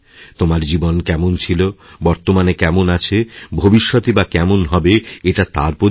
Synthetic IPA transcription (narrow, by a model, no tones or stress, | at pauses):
t̪omaɾd͡ʑibonkɛmont͡ɕʰilobɔɾt̪omanekɛmonat͡ɕʰebʱobiʃːot̪ibakɛmonɦɔbeeʈat̪a̰ɾpo